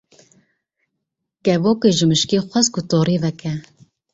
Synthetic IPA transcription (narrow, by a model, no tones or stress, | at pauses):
kɛvoːkeʒɨmɨʃkexʷɛzkʊt̪ɔːɾiːvɛkɛ